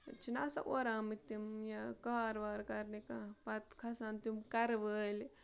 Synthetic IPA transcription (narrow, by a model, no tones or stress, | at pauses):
t͡ʃinasɐ̰ʔoɾaːmit̪ːimjakaɾʋaːɾkɐɾnikapɐt̪kʰɐsaːnt̪imkɐɾʋəːl